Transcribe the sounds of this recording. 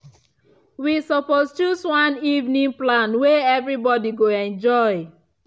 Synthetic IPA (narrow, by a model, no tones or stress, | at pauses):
wisɔpɔst͡ʃuswãnivnĩŋplãnweɛvɾibɔdiɡoɛ̃nd͡ʒɔɪ